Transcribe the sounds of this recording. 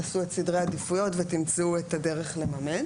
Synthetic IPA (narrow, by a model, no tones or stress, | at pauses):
asuetsidʁeadifujo̞tvetimt͡suetade̞ʁeχle̞mamen